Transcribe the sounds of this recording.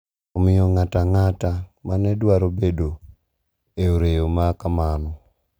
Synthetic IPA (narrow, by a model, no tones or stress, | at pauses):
ɔmɪjɔŋataŋatamanɛdwaɾobedo | eoɾejomakamanɔ